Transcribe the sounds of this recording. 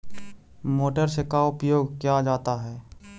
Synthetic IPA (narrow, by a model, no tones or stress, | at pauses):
moːʈəɾsekaʊpjoːɡkjad͡ʒaːt̪aɦɛː